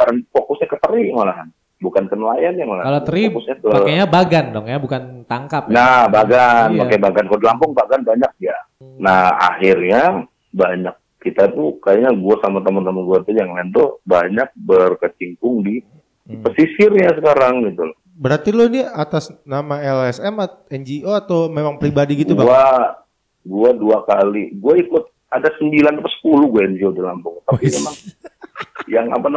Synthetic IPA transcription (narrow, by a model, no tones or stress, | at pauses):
aɾanfokʊsɲakət̪əɾimalaɦan | bukankənlajanjamalakalot̪əɾikʊsɲakəakaɲabaɡandɔŋjabukant̪aŋkapnabaɡanmakajbaɡankalodilampʊŋbaɡanbaɲak̚ja | naha̰hɪrɲa | baɲak̚kːit̪at̪ukajaɲaɡuasamat̪amant̪amanɡuat̪ujaŋlɛnt̪ʊbaɲak̚bərkət͡ʃiŋkʊŋdi | pəsisɪrɲasəkaɾaŋɡit̪ulɔh | bəɾart̪iloiniat̪asnamaɛlɛsɛmat̪̚ɛnd͡ʒioat̪awmemaŋpɾibadiɡitɡ̪ubaa | ɡuaduakaliɡuaikʊt̪̚ | adasəmbilanpəsə̥puluɡuaɛnd͡ʒiodilampʊŋt̪apimemaŋ | jaŋa̰pan